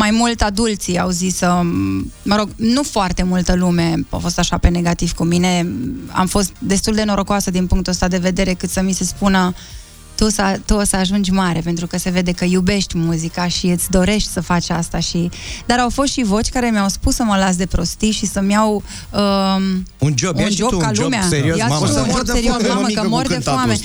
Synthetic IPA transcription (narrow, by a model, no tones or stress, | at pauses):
majmult̪ʲad̪ult̪siawzisə | məɾo̞ɡnufoart̪e̞mult̪əlume̞a̰wfo̞st̪aʃape̞ne̞ɡat̪iv̥kumine̞a̰mfo̞st̪d̪e̞st̪uld̪e̞no̞ɾo̞koasəd̪inpuŋkt̪uəst̪ad̪e̞ve̞d̪e̞ɾe̞kɨt̪səmise̞spunə | t̪usət̪uosəaʒund͡ʒʲmaɾe̞pe̞nt̪ɾukəse̞ve̞d̪e̞kəjube̞ʃt̪ʲmuzikaʃiɨt̪sʲd̪o̞ɾe̞ʃt̪ʲsəfat͡ʃast̪aʃid̪aɾawfo̞st̪ʃivo̞t͡ʃʲkaɾe̞mijawspusːəməlas̬d̪e̞pɾo̞st̪iʃisəmʲjaw | ə | und͡ʒound͡ʒokalumeaeɾioaososeɾiosmekəmord̪efame